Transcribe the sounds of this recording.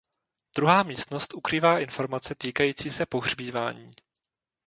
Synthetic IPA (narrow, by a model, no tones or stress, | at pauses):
d̪̥ɾuɦaːmiːst̪no̞st̪ʔukɾiːvaːʔɪnfo̞ɾmat͡sɛt̪iːkajiːt͡siːsɛpo̞ɦr̝biːva̰ːɲiː